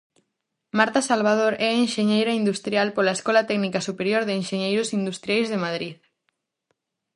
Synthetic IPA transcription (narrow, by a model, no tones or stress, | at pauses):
maɾt̪asalβ̞að̞oɾɛaenʃeɲejɾaind̪ust̪ɾjalpolaeskɔlat̪ɛɣnikasupeɾjoɾðeːnʃeɲejɾʊsind̪ust̪ɾjajzðemaðɾið